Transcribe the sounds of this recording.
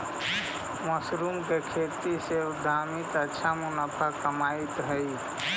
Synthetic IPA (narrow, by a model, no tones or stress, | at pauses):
məsɾumkekʰet̪ised̪ʱaːmit̪ətːʃʰamunapʰakəmait̪ɦəj